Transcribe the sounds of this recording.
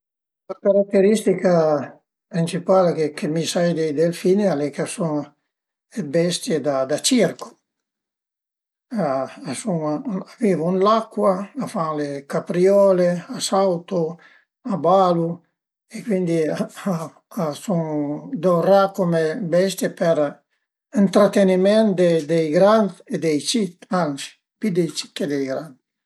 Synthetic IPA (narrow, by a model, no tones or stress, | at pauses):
lakaɾakt̪ːeɾist̪ika | pɾint͡ʃipalekekʰemisajd̪ejd̪elfinealekasuŋ | ebɛst̪jed̪ad̪at͡ʃiɾko̥ | asuŋaaviːvounlakːwaːfalekapɾiɔːleasawt̪o | abalu | ekwind̪iaa | asuŋd̪orakomebɛst̪jepɛɾ | int̪ɾat̪enimɛ̃nd̪ed̪ejɡɾand̪ed̪ɛjt͡ʃit̪ansi̥ | pid̪ejt͡ʃi̥t̪ed̪ejɡɾand̪